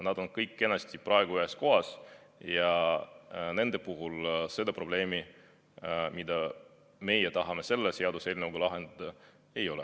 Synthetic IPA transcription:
nɑd̪̥o̞nkɤjkːe̞nːɑst̪ʲiprɑeɡ̥uyesko̞ɦɑs | jɑ | ne̞nd̪e̞puɦulse̞d̪̥ɑpro̞b̥le̞ːmi | mid̪ɑ | me̞jɛt̪ɑɦɑme̞se̞lːese̞ɑd̪use̞ːlʲnɤwɡulɑɦe̞nd̪̥ɑd̪̥ɑ | e̞jo̞lɛ

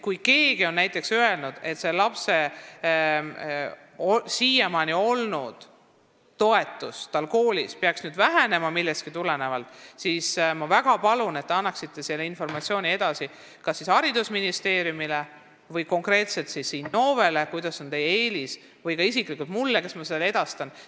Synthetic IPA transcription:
kujke̞ːɡio̞nnæjt̪ˑːe̞ksøe̞lnud̪̥e̞t̪se̞lɑpse̞ | osiːjemɑnio̞lnud̪̥ | t̪ːo̞e̞t̪ːˑust̪ɑlko̞ːlispeɑksnyːd̪væɦæne̞mɑmilːɛst̪̚kit̪ulene̞vɑlt̪ːˑsismɑvæɡ̥ɑpɑlune̞t̪ːeɑnːɑksit̪ːˑe̞sileinfo̞rmɑt̪sio̞ːnʲie̞d̪̥ɑsi | kɑsːishɑɾid̪usminist̪e̞ːɾjumile | vɤjko̞ŋkre̞ːt̪se̞lt̪sisːiːnːo̞ːve̞le̞kujd̪ɑso̞nt̪e̞jːee̞ːlis | vɤjkɑisiklikːˑult̪mulːekesmɑse̥le̞d̪̥ɑst̪ɑn

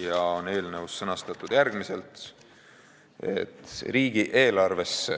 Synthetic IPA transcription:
jɑone̞ːlnəvusːɤnɑst̪ɑt̪ːˑud̪̥jærɡmise̞lt̪ | e̞̰t̪riːɡ̥iʔe̞ːlɑrve̞s

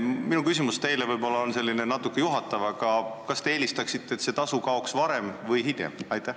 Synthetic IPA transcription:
minukysʲimust̪e̞jlevɤjbo̞lːɑonse̞lʲːinenɑt̪ːˑukːˑe̞juɦɑt̪ːˑɑvɑkɑkɑst̪e̞eːlist̪ɑksit̪ːet̪se̞t̪ɑsukɑoksvɑɾe̞mvɤjɦid̪ḛmɑjt̪ˑːæh

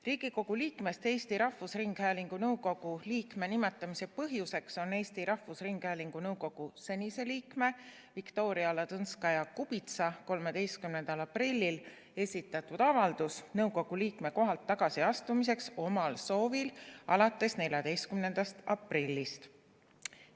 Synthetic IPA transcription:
riːɡ̥iko̞ɡ̥uliːkme̞st̪e̞ːst̪iɾɑhfusriŋɡ̥hæːliŋɡ̥unɤwko̞ɡ̥uliːkme̞nime̞t̪ːˑɑmise̞pɤɦjuse̞kso̞ne̞ːsʲt̪iɾɑhfusriŋɡ̥hæːliŋɡ̥unɤwɡo̞ɡ̥use̞nʲise̞liːkme̞ | vikt̪o̞ːɾiɑlɑt̪ɤnskɑjɑkub̥it̪sɑko̞lme̞d̪e̞jst̪kymne̞nd̪ɑlɑprilʲːil | e̞sʲit̪ːˑɑt̪ːˑud̪̥ɑvɑld̪̥usnɤwɡo̞ɡ̥uliːkme̞ko̞ɦɑlt̪ːɑɡ̥ɑsiɑst̪umis̬e̞kso̞mɑlso̞ːvilɑlɑt̪ːˑe̞snelʲjɑd̪e̞jst̪̚kymne̞nd̪̥ɑst̪ɑprilʲːist̪

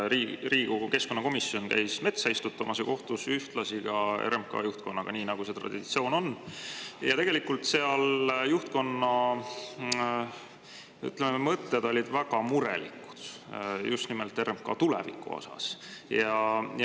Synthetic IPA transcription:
ɾiːriːɡ̥uke̞sko̞nːɑko̞misːio̞nkæ̰jsme̞t̪sɑist̪ut̪ːˑɑmɑseko̞ht̪usyht̪lɑsiɡ̥ɑḛɾemkɑ̰juht̪̚ko̞nːɑɡ̥ɑniːnɑɡ̥use̞t̪rɑ̰d̥̪id̥̪it̪sio̞ːno̞n | jɑt̪e̞ɡ̥elikult̪se̞ɑljuht̪̚ko̞nːɑ | y̰t̪ˑlemeemɤt̪ːe̞d̪̥o̞lʲid̪væɡɑmuɾḛlḭku̥d̪̥just̪nimelt̪ːˑe̞ɾemkɑ̰t̪ulɛ̰vḭkːˑṵo̰sɑ̰sjɑj

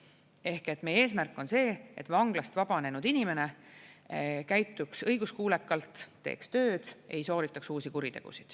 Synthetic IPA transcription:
e̞hke̞t̪ːme̞je̞ːsmærkːˑo̞nse̞ːet̪vɑŋɡ̥lɑst̪vɑb̥ɑne̞nud̪̥inʲime̞ne̞ | kæjt̪ːˑuksɤjɡ̥uskuːlekːˑɑlt̪ːe̞̰ːkst̪ø̞ːd̪̥e̞̰jso̞ːɾit̪ːˑɑksuːsikuɾit̪e̞ɡ̥ṵsid̪̥

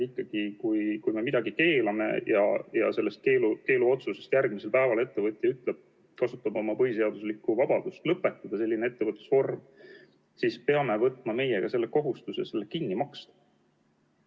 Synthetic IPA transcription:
ikːɑɡ̥ikujkujme̞mid̪̥ɑɡike̞ːlɑme̞̰jɑ̰jɑ̰se̞lːe̞st̪̚keːluke̞ːluo̞t̪suse̞st̪jærɡ̥̚miselpæevɑle̞t̪ːe̞vɤ̞t̪ʲːˑiyt̪ːˑleb̥̚ | kɑsut̪ːˑɑmɑo̞mɑpɤɦjse̞ɑd̪̥uslikːˑuvɑb̥ɑd̪̥ust̪lɤpːˑe̞t̪ːˑɑd̪̥ɑse̞lːinee̞t̪ːe̞vɤt̪ːˑu̥sfo̞rm | sispe̞ɑme̞vɤt̪ːˑmɑme̞jeɡ̥ɑse̞lːeko̞ɦust̪usese̞lːekinːimɑkst̪ɑ̥

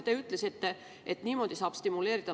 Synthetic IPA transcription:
t̪eyt̪ːˑle̞sit̪ːe | ʔet̪ːˑniːmo̞d̪̥isɑːb̥st̪imule̞ːɾid̪̥ɑ

